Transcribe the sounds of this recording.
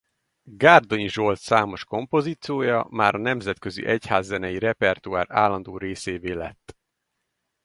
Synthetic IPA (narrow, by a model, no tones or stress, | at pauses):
ɡaːrd̪o̞ɲiʒo̞lt̪saːmo̞ʃko̞mpo̞ziːt̪sijoːjɒ̰maːɾɒnɛmzɛt̪kø̞zḭʔɛchaːzːɛnɛjiɾɛpɛrt̪uaːra̰ːlːɒnd̪oːɾeːseːveːlɛ̰t̪ː